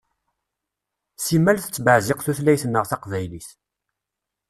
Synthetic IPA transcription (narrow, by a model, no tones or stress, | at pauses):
simælθə̥t͡sːbəʕzɪqθuθlæjθənːəʁθæqvæjliθ